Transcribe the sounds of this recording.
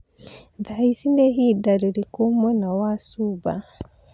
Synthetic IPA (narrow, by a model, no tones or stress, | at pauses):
d̪aisindɛɦidaɾɛɾikɔmːɔnawasuba